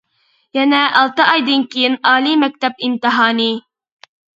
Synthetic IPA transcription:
jɛnɛʔɑlˠt̪ɨɑjd̪ɨnkʲejɪnɑːlimɛk̚ʲt̪ɛp̚imt̪ɨɦɑːni

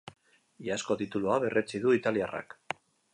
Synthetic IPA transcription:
iasko̞t̪it̪uluaβe̞rʔe̞t͡siðuit̪aliara̰k

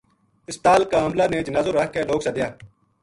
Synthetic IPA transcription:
ɪst̪aːlkaːɦəmlaːneːd͡ʒənaːzoːɾəɦkːeːloːksaːd̪ɪjaː

